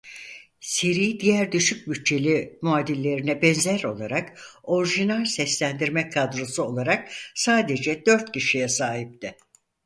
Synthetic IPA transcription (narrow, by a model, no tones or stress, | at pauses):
seɾiːd̪ijæɾd̪yʃyc̚byt̚t͡ʃʰe̞lʲimuaːd̪ilʲːe̞ɾinɛbɛnzæɾo̞̰lˠaɾako̞ɾʒinalʲsɛslʲænd̪iɾmɛkʰad̪ɾosuo̞lˠaɾak̚saːd̪ed͡ʒɛd̪ø̞ɾt̪cʰiʃijɛsaːɦip̚t̪ɪ